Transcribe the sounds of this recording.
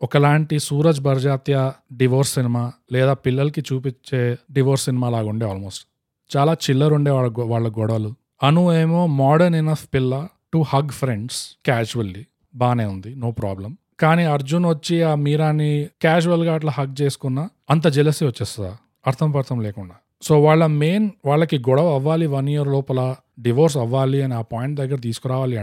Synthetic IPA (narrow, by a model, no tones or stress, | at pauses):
ɔkɐlaːɳʈisuːɾɐd͡ʒbʱɐɾd͡ʒaːt̪jɐɖiʋoːɾsːinimaːlɛːd̪aːpilːɐlɐkit͡ʃuːpit͡ʃːe̞ːɖiʋoːɾsːinimaːlaːɡuɳɖeːaːlmoːsʈ | t͡ʃaːlaːt͡ʃilːɐɾuɳɖeːɭɐʋaːɭːɐɡɔɽɐʋɐlu | ɐnueːmo̞ːmaːɽɐɾninɐfpilːɐ | ʈuhɐɡpʰɾeɳɖskaːd͡ʒuʋɐlːi | baːneːund̪ino̞ːpɾaːblɐm | kaːniːɐɾd͡ʒunʋɐt͡ʃːiaːmiːɾaːnːikaːd͡ʒuʋɐlɡaːʈ̬lɐhɐɡ̚t͡ʃe̞ːsu̥kunːa | ɐnt̪̬ɐd͡ʒilɐsiʋɐt͡ʃːeːst̪ɐd̪aː | ɐɾt̪ʰɐmɐpɐɾt̪ʰɐmleːkuɳɖaː | so̞ːʋaːɭːɐme̞ːnʋaːɭːɐkiɡɔɽɐʋɐɐʋːaːliʋɐnijɐɾlɔːpɐlɐ | ɖiʋoːɾs̬ɐʋːaːliɐniaːpaːjiɳʈ̚d̪ɐɡːɐɾɐt̪̬iːsukɔɾaːʋaːliɐ